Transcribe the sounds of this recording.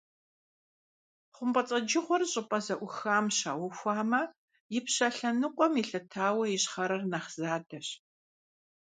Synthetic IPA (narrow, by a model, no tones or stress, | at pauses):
χʷʊmpʼɐt͡sʼɐd͡ʒɪʁʷɔrɕʼɪpʼɐzɐʔʷʊxaːmɕa̰ːwʊxʷaːmɐ | jɪpɕɐɬɐnɨqʷʼɔmjɪɬɐtʰaːwɐjɪɕχɐɾɐrnaχz̥aːdɐɕ